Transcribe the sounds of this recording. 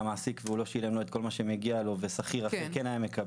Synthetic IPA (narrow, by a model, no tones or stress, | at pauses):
maːsikveulo̞ʃile̞mlo̞et̪ko̞lmaʃemeɡialo̞vesaχiʁafilkenajamːeka